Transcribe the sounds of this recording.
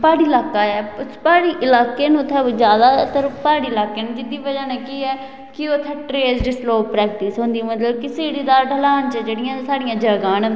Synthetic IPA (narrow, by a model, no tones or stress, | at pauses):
paːɽiːlaːkaːɛːpaːɽiːʔɪlaːkeːnũːt̪ʰɛd͡ʒjaːd̪aːt̪əɾpaːɽiːɪlaːkeːnũːd͡ʒɪd̪ːiːʋəd͡ʒaːnɛːkiːɛː | kɪoːt̪ʰəʈɾeːsɖɪsloːppːɾɛːk̚ʈiːsɦõnd̪iːmət̪ləbkɪseːɽiːd̪aːɖʱəlaːnt͡ʃɛd͡ʒeːɽɪjãːsaːɽijãːd͡ʒəːɡãːn